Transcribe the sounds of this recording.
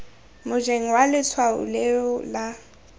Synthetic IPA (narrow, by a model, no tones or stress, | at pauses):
mʊd͡ʒeŋ̩walɪt͡sʰwaʊ̰lɛʊla